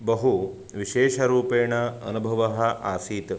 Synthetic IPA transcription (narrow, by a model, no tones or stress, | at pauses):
bɐɦu | ʋiʃeːʃɐɾuːpeːɳɐɐnubʱɐʋɐɦɐʔa̰ːsiːt̪